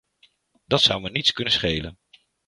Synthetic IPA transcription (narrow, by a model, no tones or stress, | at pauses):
d̥ɑtsʌwʋənitskɵnəsχejlə̰n